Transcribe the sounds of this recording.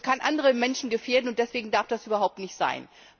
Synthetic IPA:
kʰanʔandəʁəmɛnʃn̩ɡəfeːɐdn̩ʊnt̚d̥ɛsv̥eːɡŋ̩daɐfd̥asʔyːbɐɦaʊp̚tnɪçtz̥a̰ɪn

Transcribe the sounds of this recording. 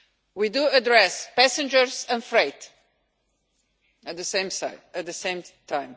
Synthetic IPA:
widuədɹɛspæsɨ̃nd͡ʒəɹsɛ̃nfɹeɪt | ət̪̚ðəsẽɪ̃msaɪɨt̪̚ðəsẽɪ̃mtʰãɪ̃m

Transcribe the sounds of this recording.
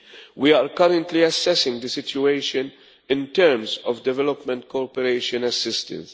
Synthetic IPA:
wiaːɾkɐɾə̃nt̪liɐsɛsɪ̃ŋɡd̪əsɪtjueɪʃə̃n | ɪ̃nt̪ɛɾmzɔvd̪ɛvɛlɔpmɛ̃nt̪kɔɾpɛɾeɪʃə̃nɐsɪst̪ə̰̃ns

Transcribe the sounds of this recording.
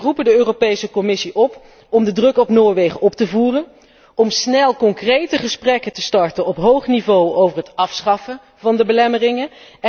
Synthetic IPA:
rupəndəøːropejsəkɔmɪsiʔɔp | ɔmdədrɵkɔpnoːɹʋejχəʔɔp̚təvuːrən | ʔɔmsnɛlˠkɔŋkrejtəχəsprɛkətəstɑɹtənɔpɦowχnivowowvərɦətɑfsχɑfə | vɑndəbəlɛmərɪŋə

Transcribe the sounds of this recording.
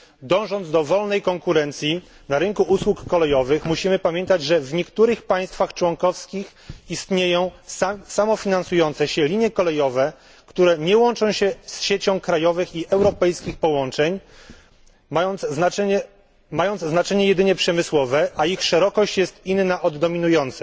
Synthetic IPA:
d̪ɔ̃w̃ʐɔnd̪d̪ɔvɔlnɛjkɔŋkuɾɛnt̪sʲji | naɾɘŋkuʔuswukːɔlɛjɔvɘxmuɕimɘpamʲjɛnt̪ad͡ʑʐɛvɲɛkt̪uɾɘxpaj̃st̪faxt͡ʂwɔŋkɔfskʲix | ist̪ɲejɔ̃w̃samɔfʲinansujɔnt̪sɛɕɛlʲiɲjɛkɔlɛjɔvɛ | kt̪uɾɛɲɛwɔnt͡ʂɔ̃w̃ɕɛsɕet͡ɕɔ̃w̃kɾajɔvɘxiʔɛwɾɔpɛjskʲixpɔwɔnt͡ʂɛɲ | aj̪ɛ | majɔnd̪zznat͡ʂɛɲɛjɛd̪ɘɲɛpʂɛmɘswɔvɛʔaixʂɛɾɔkɔɕt͡ɕjɛst̪inːaʔɔd̪ːɔmʲinujɔnt̪sɛ̥

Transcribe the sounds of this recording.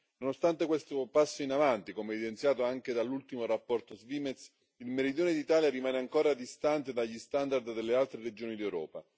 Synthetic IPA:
nonost̪ant̪ekwest̪opasːoinavant̪ikomeɛvid̪ent̪sjaːt̪oaŋk̟ed̪alːult̪imoɾapːɔrt̪ozviːmet̪s | ilmeɾid̪joːned̪it̪aːljaɾimaːneaŋkoːɾad̪ist̪ant̪ed̪aʎːist̪and̪ard̪d̪elːealt̪ɾeɾed͡ʒoːnid̪ewɾɔ̰ːpa

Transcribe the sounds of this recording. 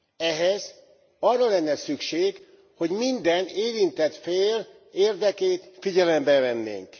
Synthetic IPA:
ɛɦɛz | ɒrːɒlɛnːɛsykʃeːɡ | ho̞ɟmind̪ɛneːɾint̪ɛt̪feːl | eːrd̪ɛkeːt̪fiɟɛlɛmbɛvɛnːḛːŋk

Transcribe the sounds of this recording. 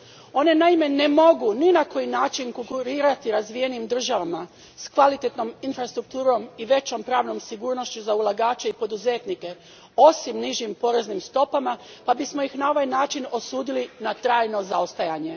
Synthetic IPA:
o̞ne̞naime̞ne̞mo̞ɡuninako̞jinaːt͡ʃinkoŋkuɾiːɾat̪iɾazʋije̞nimd̪r̩ʒaʋama | skʋalit̪e̞t̪no̞minfɾast̪ɾuk̚t̪uːɾo̞miʋe̞t͡ɕo̞mpɾaːʋno̞msiɡuːɾno̞ʃt͡ɕuzaulˠaɡaːt͡ʃeipo̞d̪uze̞ːt̪nike̞ | o̞simniʒimpo̞ːɾe̞znimst̪o̞pamapabismo̞ixnao̞ʋajnaːt͡ʃino̞suːd̪ilinat̪ɾaːjno̞zaost̪ajaːɲe̞

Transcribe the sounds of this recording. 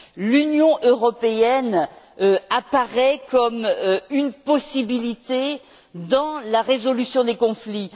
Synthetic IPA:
lynjɔ̃ʔøʁɔpeɛn | apaʁɛkʰɔmynpɔsibilit̪e | d̪ɑ̃laʁezɔlysjɔ̃d̪ekɔ̃fli

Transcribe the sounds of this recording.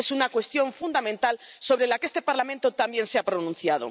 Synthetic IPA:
esunakwe̞st̪jõ̞ɱfund̪amẽnt̪also̞βɾelakeest̪e̞paɾlamẽnt̪ot̪ambje̞nseapɾonũnθjað̞o̰

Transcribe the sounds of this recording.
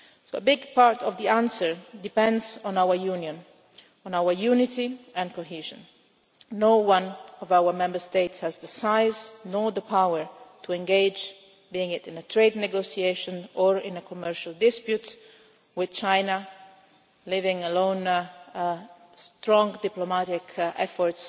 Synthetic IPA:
soʊəbɪɡpʰɑɹtʌvðiæ̃nsə˞dɨpɛ̃ndz̃n̩aʊə˞jʉnjɨ̃n | ə̃naʊə˞jʉnɪtiɨ̃nkʰoɦiʒɨ̃nː | oʊwʌ̃nʌvaʊə˞mɛ̃mbə˞steɪtshɨzðəsaɪznɔðəpʰaʊə˞tʰuɛ̃nɡeɪd͡ʒ | biɪ̃ŋɪtɪ̃nətʰɹeɪdⁿnɛɡosieɪʃə̃nəɹɪ̃nəkʰɔmɛɹʃəlˠdɪspjut | wɪð̥t͡ʃʰãɪna | lɪvɪ̃ŋəlõʊ̃n | stɹɔ̃ŋdɪplomaɾɪkʰɛ̰fɔɹts

